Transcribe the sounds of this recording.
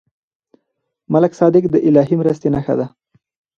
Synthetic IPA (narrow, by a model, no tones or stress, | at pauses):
malaksɑd̪ɪkd̪əʔɪlɑɦimɾəst̪enaxa̰d̪a